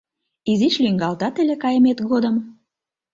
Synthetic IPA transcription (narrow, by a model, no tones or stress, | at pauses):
iziʃlyŋɡɑlt̪ɑt̪elekɑjəmet̪ɡod̪əm